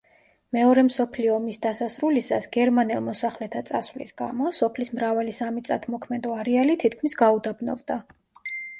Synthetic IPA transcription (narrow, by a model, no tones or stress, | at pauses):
mɛɔɾɛmsɔpʰliɔːmisd̪asasɾulisasɡɛɾmanɛlˠmɔsaχlɛt̪ʰat̪sʼasvlḭsɡa̰mɔsɔpʰlismɾavalisamit̪sʼa̰t̪ʰmɔkʰmɛd̪ɔaɾɛalit̪ʰit̪ʰkʰmisɡaud̪abnɔ̰vd̪a